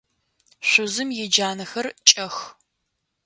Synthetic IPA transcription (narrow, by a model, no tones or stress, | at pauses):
ɕʷʊzɨmjɛd͡ʒaːnɐxɐrt͡ʃʼɐx